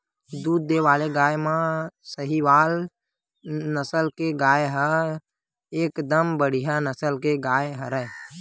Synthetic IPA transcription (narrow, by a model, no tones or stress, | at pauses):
d̪uːd̪̚ːeʋaːleɡaːjmãsəɦiʋaːl | nəsəlkeɡaːjɦə | eːkd̪əmbəɽ̤ijanəsəlkeɡaːjɦəɾə